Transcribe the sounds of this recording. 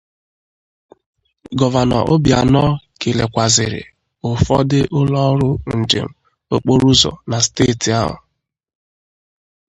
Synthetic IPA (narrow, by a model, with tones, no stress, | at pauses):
ɡɔ˨va˨nɔ̰˨ʔʊ˦bja˨nɔ˦ke˨le˨kʷa˨zɪ˨ɾɪ̰˨ | ʊ˨fɔ˦dɪ˦ʔʊ˦lɔ˦ɾʊ˦n̩˨d͡ʒḛ˨m̩˨ | o˦k͡po˦ɾu˦zɔ̰˨na˨steː˦˨ti˨a˦ɦʊ̰˨